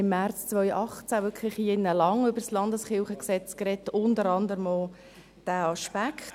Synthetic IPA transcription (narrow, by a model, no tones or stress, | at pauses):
ɪmːært͡st͡svœʏʔɑχt͡sævʏkʰlɪχenːəlɑŋʏbəslɑndəsχɪlχəksɛt͡skɾɛtʊndəɾɑndəɾəmɔl | d̥æːɑʃpækʰ